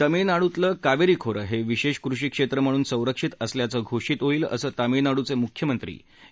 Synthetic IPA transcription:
t̪əminaɽut̪ləːkaʋeɾiːkʰoɾəɦeʋiɕeʂkɾuʂiːkʂet̪ɾəm̤əɽ̃uːnsə̃w̃ɾəkʂit̪əsljat͡səːɡʱoʂiːt̪oiːlə̰səːt̪amiɭnaɽut͡semukʰjəmənt̪ɾḭː

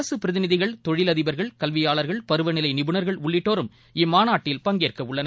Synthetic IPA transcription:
ɐsɯpɪɾɐðɪnɪðɪɣɐɭt̪ɔɻɪlɐðɪbɐɾɣɐɭkɐlʋɪjaːɭɐɾɣɐɭpɐɾɯʋɐnɪlɐɪnɪbɯnɐɾɣɐɭʊɭːɪʈːoːɾɯm | ɪmaːnaːʈːɪlpɐŋɡeːrkɐʊɭːɐnɐ

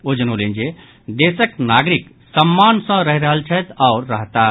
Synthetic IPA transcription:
od͡ʒənolend͡ʒe | d̪esəknaɡɾik | səmːansə̃ɾəɦiɾəɦəlt͡ʃʰət̪aʊɾːəɦt̪a

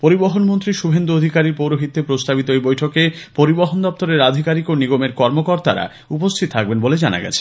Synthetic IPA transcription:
poɾiboɦonmont̪ɾiʃubʱend̪uod̪ʱikaɾiɾpowɾoɦit̪ːepɾost̪abit̪oejbojʈʰokepoɾiboɦond̪ɔp̚t̪oɾeɾad̪ʱikaɾikoniɡomeɾkɔɾmokoɾt̪a̰ɾa̰ | upost̪ʰit̪ot̪ʰak̚benboled͡ʑana̰ɡɛ̰t͡ɕʰe̥

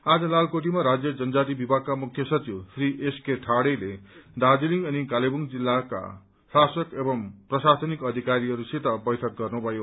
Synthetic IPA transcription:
ad͡zʌlalkoʈ̬imaɾad͡zjʌd͡zʌnd͡zat̪̬ibibʱak̚kːamukʰjʌsʌt͡siwsriʔeskeʈʰaɽeled̪ad͡ziliŋʌnikalebuŋd͡zilːaka̰ | sasʌkebʌmprʌsasʌnikʌd̪ʱikaɾiʌɾuset̪ʌbʌjt̪ʰʌk̚ɡʌrnubʱʌjo

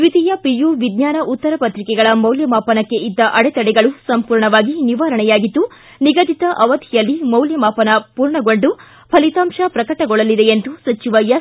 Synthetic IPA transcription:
ʋid̪ʱijɐpijuʋid̪ɲaːnɐʔut̪ːɐɾɐpɐt̪ɾikɛɡɐɭɐmɐwljɐmaːpɐnɐkːe̞id̪ːɐʔɐɽɛt̪ɐɽɛɡɐɭusɐmpuːɾɳɐʋaːɡiniʋaːɾɐɳɛjaːɡid̪ːu | niɡɐd̪it̪ɐʔɐʋɐd̪ʱijɐlːimɐwljɐmaːpɐnɐpuːɾɳɐɡo̞ɳɖu | pʰɐlit̪aːmʃɐpɾɐkɐʈɐɡɔɭɐlid̪eend̪usɐt͡ʃiʋɐjɐ

